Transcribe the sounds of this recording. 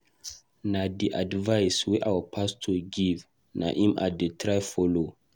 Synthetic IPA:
nadiʔadvajsweʔawəpʰastʰoɡiv | na̰ʔĩma̰detʰɾajfɔlo

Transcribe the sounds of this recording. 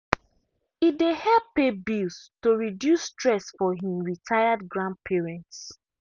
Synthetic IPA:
idehɛppebilstoɹidjusːtɹɛsfɔɦĩmɹitʰajadɡɹãnd̚pʰiɹɛ̃nts

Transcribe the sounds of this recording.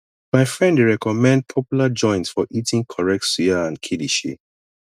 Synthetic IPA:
maɪfɹɛ̃ndɹɛkɔmɛ̃nd̚pʰɔpjulad͡ʒɔ̃ɪ̃ntsfɔʔitĩŋkʰɔɹɛk̚tsiaãnkʰidiʃḭ

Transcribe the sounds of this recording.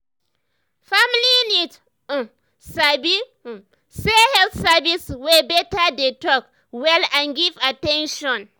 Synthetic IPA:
familinit̩ | sabi | sehɛlθsaviswebɛtadetɔk | wɛlãnɡivatɛ̃nʃɔ̃n

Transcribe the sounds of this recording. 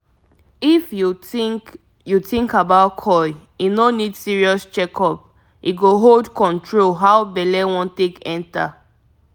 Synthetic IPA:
ifju | jutĩŋkabaʊtkʰɔɪ | inonidsiɹiɔst͡ʃɛkʰɔp | iɡoɦoldkɔ̃ntʰɹolɦawbɛlɛwɔ̃ntẽkɛ̃nta̰

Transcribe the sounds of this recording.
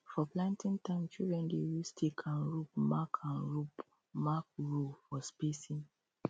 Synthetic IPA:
fɔplãntĩntãɪ̃mt͡ʃidɹɛ̃ndeɹistʰekʰãnɹup̚makʰãnɹup | mak̚ɹufɔspesĩn

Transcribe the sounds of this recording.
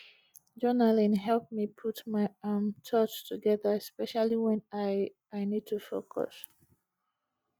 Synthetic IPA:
d͡ʒɔnalĩnɦɛlp̚mipʰutmaɪamtʰɔt͡ʃtʰuɡɛðə˞ɛspɛʃalˠiwɛ̃naɪ | aɪnid̚tʰufokʰɔ̰s

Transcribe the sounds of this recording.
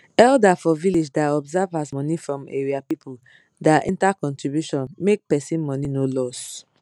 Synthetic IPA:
ɛldafɔviled͡ʒdaɔbzavasmɔ̃nifɹɔ̃mḛɹiapipʰu | daʔḭ̃ntakɔ̃ntɹibjuʃɔ̃nmek̚pɛsĩnmɔ̃ninolɔs

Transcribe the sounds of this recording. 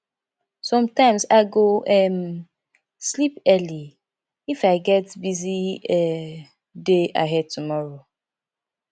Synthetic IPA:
sɔ̃mtãɪ̃msaɪɡoʔɛm | slipɛli | ifaɪɡɛtbiziɛ | dea̰ɦɛd̚tumɔɹo

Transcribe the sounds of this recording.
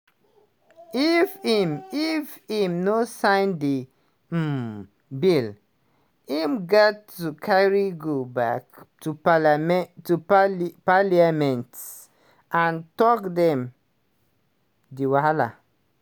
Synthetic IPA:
ifimifimnosãɪ̃ndi | bil | imɡatːukʰaɹiɡobaktu | tuppaliamɛ̃nts | ʔãntɔkdɛ̃m | diwala̰

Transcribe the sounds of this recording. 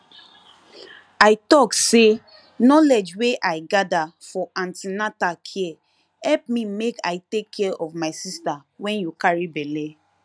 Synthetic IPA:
aɪtɔkse | nɔled͡ʒweʔaɪɡada | fɔʔãntinatakʰiɛ | hɛp̚mĩmeka̰ɪtekʰːɛʔɔvmaɪsistawɛ̃njukaɹibɛle

